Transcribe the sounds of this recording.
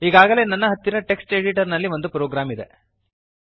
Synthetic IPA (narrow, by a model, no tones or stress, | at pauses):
iːɡaːɡɐle̞ːnɐnːɐɦɐt̪ːinɐʈe̞ksʈeːɖiʈɐɾnɐlːiʋo̞nd̪upɾoːɡɾaːmid̪e̞̰